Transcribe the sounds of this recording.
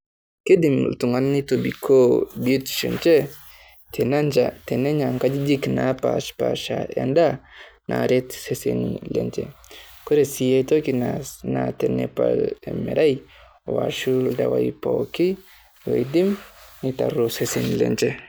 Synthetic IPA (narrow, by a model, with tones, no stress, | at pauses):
ke˦di˨mltu˨ŋa˦nni˦to˨bi˨kʰo˦bi˦tʃo˨nt͡ʃe˦ | te˨na˦nd͡ʒa˨te˨ne˦ɲa˨ŋka˦d͡ʒi˦d͡ʒi˦knapaʃpaʃa˨ja̰˨nda˦nʔa̰˨ɾe˦tse˦sḛnḭlḛ˨nt͡ʃḛ˨ | ko˦ɾe˨si˨je˦to˦ki˨nanate˨nḛ˦pa̰le˨mɛ̰˨ɾʔa˦j | wa̰˨ʃu˦lda˨waipoki˦ | lo˨i˨di˦mni˦ta̰˨ɾo˦se˦senlḛ˨nt͡ʃe˦